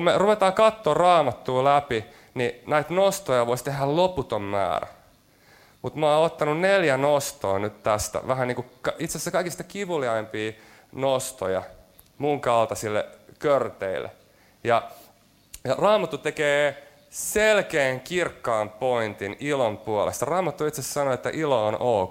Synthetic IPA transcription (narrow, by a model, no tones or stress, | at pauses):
kumeruʋet̪ɑːkɑt̪ːoːrɑːmɑt̪ːuːlæpi | ninæit̪nost̪ojɑʋoist̪ehːælloput̪ommæ̰ːɾæ̰ | mut̪mɑːot̪ːɑnunneljænost̪o̰ːnyt̪t̪æst̪æ̰ʋæhæniːŋkukɑit̪sesːækɑikist̪ɑ̥kiʋuliɑimpiː | nost̪ojɑ̰ | muŋkɑlt̪ɑsilːḛkørt̪eilːḛ | jɑ | jɑrɑːmɑt̪ːut̪ekeː | selkeːŋkirkːɑːmpoint̪inilompuolḛst̪ɑrɑːmɑt̪ːuit̪sessɑnoet̪ːæʔiloonʔo